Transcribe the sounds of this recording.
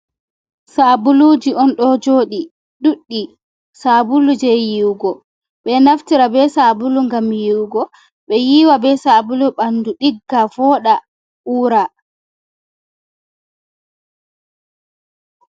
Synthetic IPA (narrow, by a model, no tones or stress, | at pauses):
sabulud͡ʒiɔnɗɔd͡ʒoːɗi | ɗuɗːi | sabulud͡ʒɛjiwɡɔ | ɓɛnaftiɾabɛsabuluŋɡamjiwɡɔ | ɓɛjiːwabɛsabuluɓanduɗiɡːavɔɗa | uːɾa